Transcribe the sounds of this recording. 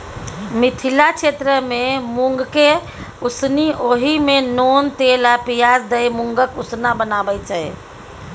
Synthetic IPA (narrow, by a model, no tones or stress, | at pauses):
mit̪ʰilat͡ʃʰet̪ɾəmemuŋɡke | usniʔoɦimenont̪elapijasd̪əjmuŋɡəkusnabənabət͡ʃaj